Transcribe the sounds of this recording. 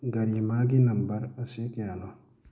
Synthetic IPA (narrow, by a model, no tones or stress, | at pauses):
ɡaɾimaɡinambaɾasekianɔ